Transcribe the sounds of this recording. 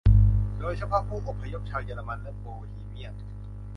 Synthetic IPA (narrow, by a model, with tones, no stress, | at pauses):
doː˧jsʰa˧pʰɔː˦˥˩pʰːuː˥˩ʔo˨˩pʰːa˧jo˦˥p̚t͡ɕʰaː˧wjaː˧˩la˧ma˧nlɛ˦˥boː˧liː˧˩mi˦˥˩ə